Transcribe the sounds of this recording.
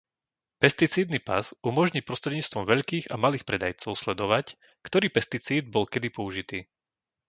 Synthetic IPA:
pɛst̪it͡siːd̪nipa̰zumɔʒɲiːpɾɔst̪ɾɛd̪ɲiːt͡st̪ʋɔmʋɛʎkiːɣa̰maliːxpɾɛd̪ajt͡sɔʊslɛd̪ɔʋac | kt̪ɔɾiːpɛst̪it͡siːd̪̚bɔlkɛd̪ipɔuʒit̪iː

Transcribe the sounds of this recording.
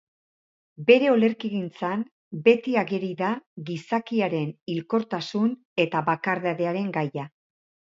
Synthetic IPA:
be̞ɾe̞o̞le̞ɾkiɣint͡san | be̞t̪iaɣeɾiðaɣisakiaɾe̞nilko̞ɾt̪asun | e̞t̪aβakaɾðaðe̞aɾe̞ŋɡaja

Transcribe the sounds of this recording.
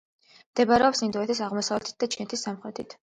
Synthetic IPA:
md̪̥ɛbaɾɛɔpsind̪uɛt̪ʰisaʁmɔsavlɛt̪i̥t̪̚d̪at͡ʃʰinɛt̪ʰisːamχɾɛt̪ʰit̪ʰ

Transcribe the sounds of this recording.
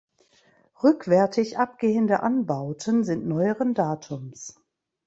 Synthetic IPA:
ʁʏkv̥ɛɐtʰɪçʔap̚ɡ̥eːəndəʔanbaʊtʰənzɪntnɔʏəʁəndaːtʰʊms

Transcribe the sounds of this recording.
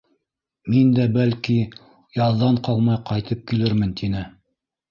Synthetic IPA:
mind̪æbælki | jɑðːɑɴqɑlˠmɑjqɑjt̪ɤp̚kilɘɾmɘnt̪ʰinɘ

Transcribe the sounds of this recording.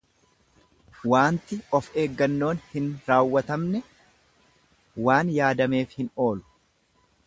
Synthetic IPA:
waːnt̪ɪɔfe̞ːɡːɐnːo̞ːnhɪnɾaːwːɐt̪ɐmnɛ | waːnjaːd̪ɐme̞ːfhɪno̞ːlʊ̥

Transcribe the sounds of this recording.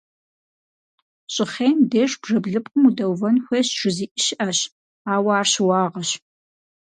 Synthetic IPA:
ɕʼɪχeːndeːʂb̥ʐɐbɮɨpʼqʼʊmudɐwvɐnxʷeːɕʈ͡ʂʰɨziːʔɪʃɪʔɐɕ | aːwaaːrɕwɑːʁɐɕ

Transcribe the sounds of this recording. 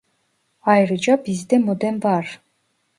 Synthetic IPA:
ɑjɾɯd͡ʒɑbizd̪emod̪enbɑɾ

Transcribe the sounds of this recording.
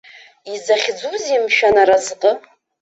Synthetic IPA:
izaχʲd͡zuzimʃᶣanaɾazqʼə

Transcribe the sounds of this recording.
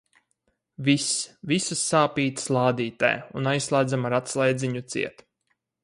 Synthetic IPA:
visvisusːaːpiːt̪slˠɑːd̪iːt̪a̰junajsːlˠaːd̪zamaɾat̪slˠajd̪zʲiɲut̪sḭɛt̪

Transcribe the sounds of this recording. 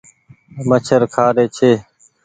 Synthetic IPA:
mət͡ʃʰəɾkʰaːɾeːt͡ʃʰeː

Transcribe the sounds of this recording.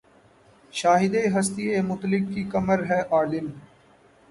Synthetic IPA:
ʃaːɦɪd̪eɦɐst̪iemʊt̪lɪkːikɐməɾɦɛːʔaːlɪm

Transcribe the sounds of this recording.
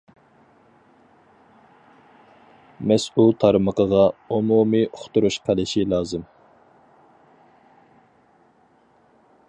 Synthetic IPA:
mɛsulˠt̪ʰɑɾməqʰəʁɑumumioχt̪uɾuʃqʰɑlˠɨʃilˠɑːzɨm

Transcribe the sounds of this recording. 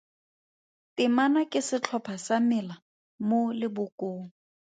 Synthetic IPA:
tʼɪmanakʼɪsɪt͡ɬʰɔpʰasamɪla | molɪbʊkʼoːŋ̩

